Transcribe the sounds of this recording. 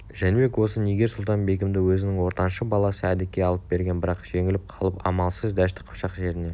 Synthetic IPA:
ʒænemekwo̞səneɡʲe̞sʊlˠt̪ɑnbe̞kʲɪmd̪ɪwɵzɪnɪŋwo̞ɾt̪ɑnʃəbɑlˠɑsəæd̪ɪkʲːe̞ɑlˠəp̚be̞ɾɡʲe̞nbɪɾɑqʒ̥e̞ŋɪlɪp̚qʰɑlˠəpɑ̰mɑlˠsəzd̪æʃt̪ɪ̥qʰʊ̥pʃɑqʒe̞ɾɪne̞

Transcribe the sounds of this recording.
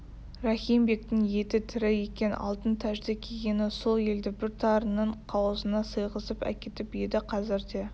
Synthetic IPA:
rɑχijmbe̞k̚t̪ɪŋje̞t̪ɪt̪ʰɪɾɪje̞kʲe̞nɑ̰lˠt̪ənt̪ʰæʒd̪ekʲʰeɡʲe̞nɪso̞lˠe̞ld̪ɪbɪɾt̪ʰɑɾənːəɴqʰɑwəzənɑsəjʁəsəpæ̰kʲe̞t̪ɪpje̞d̪ɪqʰɑzɪɾd̪e̞

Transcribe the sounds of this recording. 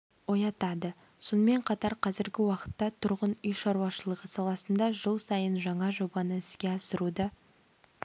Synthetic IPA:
wo̞jɑt̪ɑd̪ə | so̞nəme̞ɴqʰɑt̪ɑɾqʰɑzɪɾɡʲɪwɑqə̥t̪ːɑt̪ʰʊɾʁənʏjʃɑɾuɑʃəlˠəʁəsɑlˠɑsənd̪ɑʒəlˠsɑjənʒɑɴɑʒo̞bɑnəɪskʲe̞ɑsəɾud̪ə

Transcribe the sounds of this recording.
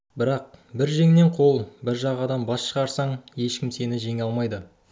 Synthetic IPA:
bɪɾɑq̚bɪɾʒe̞ŋne̞ɴqʰo̞lˠbɪɾʒɑʁɑd̪ɑmbɑsʃəʁɑɾsɑɴje̞ʃkʲɪmse̞nɪʒe̞ŋɑlˠmɑjd̪ə

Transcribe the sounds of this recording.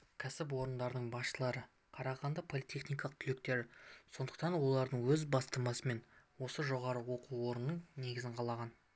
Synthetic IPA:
kʲʰæsɪp̬wo̞ɾənd̪ɑɾəd̪əɴbɑsʃəlˠɑɾə | qʰɑɾɑʁɑnd̪ɑpʰo̞lˠijt̪ʲʰe̞χnijkɑlˠəq̚t̪ʰʏlek̚t̪e̞ɾɪso̞nd̪əqt̪ɑnwo̞lˠɑɾd̪əɴwɵzbɑst̪əmɑsəme̞nwo̞səʒo̞ʁɑɾəwo̞quwo̞ɾənːəɴne̞ɡʲɪzɪɴqʰɑlˠɑʁɑn

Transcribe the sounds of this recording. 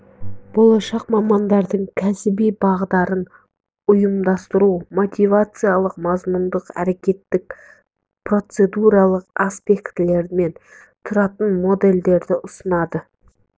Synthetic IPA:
b̥o̞lˠɑʃɑqmɑmɑnd̪ɑɾd̪əɴkʲʰæsɪbijbɑʁd̪ɑɾən | ʊjəmd̪ɑst̪əɾumo̞t̪ʲijvat̪sɨjalˠəqmɑzmʊnd̪əqæ̰ɾe̞kʲe̞t̪ːɪk̚ | pro̞t̪se̞d̪uɾɑlˠəqaspe̞kt̪ɪle̞ɾɪme̞n | t̪ʰʊɾɑt̪ənmo̞d̪e̞ld̪e̞ɾd̪ɪʔʊsənɑd̪ə

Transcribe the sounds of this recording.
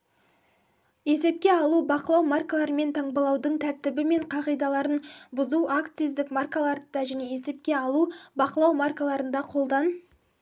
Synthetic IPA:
je̞se̞p̚kʲe̞ɑlˠubɑqəlˠɑwmarkalˠɑɾəme̞nt̪ʰɑɴbəlˠɑwd̪əɴt̪ʰæɾt̪ɪbɪme̞ɴqʰɑʁijd̪ɑlˠɑɾənbʊzuakt̪sijzd̪ɪkmarkalˠɑɾd̪ɑʒæne̞je̞se̞p̚kʲe̞ɑlˠubɑqəlˠɑwmarkalˠɑɾənd̪ɑqʰo̞lˠd̪ɑn

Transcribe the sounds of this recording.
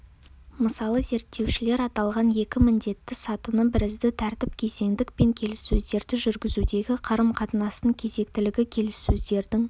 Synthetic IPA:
məsɑlˠəze̞ɾt̪ːe̞wʃɪle̞ɾɑt̪ɑlˠʁɑnje̞kʲɪmɪnd̪e̞t̪ːɪsɑt̪ənəbɪɾɪzd̪ɪt̪ʰæɾt̪ɪp̚kʲʰe̞ze̞ŋd̪ɪk̚pe̞ŋkʲʰe̞lɪsːɵzd̪e̞ɾd̪ɪʒʏɾɡʲɪzud̪e̞ɡʲɪqʰɑɾəmqʰɑt̪ənɑsəŋkʲʰe̞ze̞kt̪ɪlɪɡʲɪkʲʰe̞lɪsːɵzd̪e̞ɾd̪ɪŋ

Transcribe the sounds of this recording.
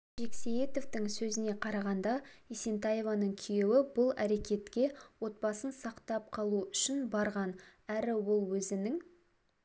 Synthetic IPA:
ʒe̞kseje̞t̪o̞vt̪ɪŋsɵzɪne̞qʰɑɾɑʁɑnd̪ɑesent̪ɑje̞vɑnəɴkʲʰijewɪbʊlˠæɾe̞kʲe̞t̪kʲe̞wo̞t̪̚bɑsənsɑqt̪ɑp̚qʰɑlˠuʏʃɪnbɑɾʁɑnæɾɪwo̞lˠwɵzɪnɪŋ

